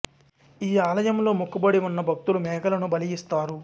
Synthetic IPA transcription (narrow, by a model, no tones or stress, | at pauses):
iːaːlɐjɐmlo̞ːmukːubɐɽiunːɐbʱɐk̚t̪ulumɛːɡɐlɐnubɐlijist̪aːɾu